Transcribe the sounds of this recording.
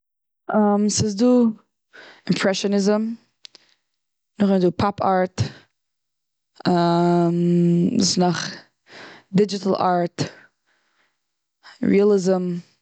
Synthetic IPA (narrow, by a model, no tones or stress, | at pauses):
amsɪs̬duː | ɪmpʰɹɛʃɔnɪzəm | nʊχɛnduːpʰapʰaɹt | amɪsnɔχ | dɪd͡ʒɪtl̩ˠa̰ɹt | ɹḭalˠɪzəm